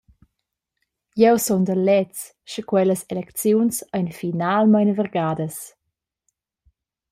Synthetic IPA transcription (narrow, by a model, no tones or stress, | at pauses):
jɛwsɔnd̪əlɛt͡s | ʃəkwɛləselɛkt͡sjunsəjnfinalmajnəvərɡaːdəs